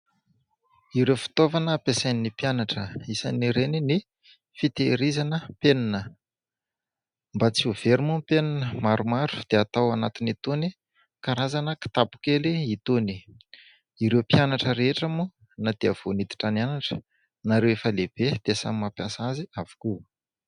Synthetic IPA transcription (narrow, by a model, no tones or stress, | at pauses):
iɾewfi̥t̪ovanəːpesajnnipjanaʈ͡ʂəisa̰niɾenini | fit̪eɾizanəpeninə | mbat͡siuv̥eɾimumpeninəmaɾumaɾu̥d̪̥eat̪awanat̪init̪uni | kaɾazanəki̥t̪apu̥keliit̪uni̥ | iɾewpjanaʈ͡ʂəɾeeʈ͡ʂamu | nad̪̥eəv̥onit̪i̥ʈ͡ʂananaʈ͡ʂə̥ | naɾewefəleb̥ed̪̥esa̰mimapjasaziavu̥ku